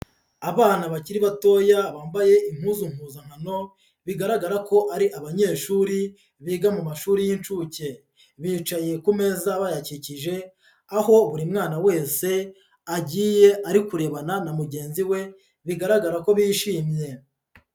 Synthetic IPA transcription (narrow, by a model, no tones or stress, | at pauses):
aβaːnaβaciɾiβato̞ːjaβaːmbaje̞ʔim̥huːzuŋ̥uːzaŋ̥hano̞ | βiɡaɾaɡaɾako̞ʔaɾiʔaβaɲe̞ːʃuːɾi | βiːɡamumaʃuːɾijint͡ʃuce̞ | βiːt͡ʃaje̞kume̞zaβajaciciʒe̞ | aho̞βuɾimŋaːnawe̞ːse̞ | aɟiːje̞ʔaɾikuɾe̞βananamuɟe̞ːnziwe̞ | βiɡaɾaɡaɾako̞βiːʃiːmje̞